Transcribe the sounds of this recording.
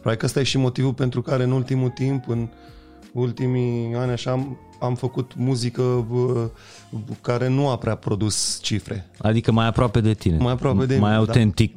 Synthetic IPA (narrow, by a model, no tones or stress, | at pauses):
pɾad̪ikəst̪ajeʃimo̞t̪ivulpe̞nt̪ɾukaɾe̞ɨnult̪imut̪impɨn | ult̪imianʲaʃam | amfəkut̪muzikə | kaɾe̞nuapɾeapɾo̞d̪ust͡ʃifɾe̞̰a̰d̪ikəmajapɾoape̞d̪e̞t̪inemajapɾoape̞d̪emajawud̪at̪ent̪ik̚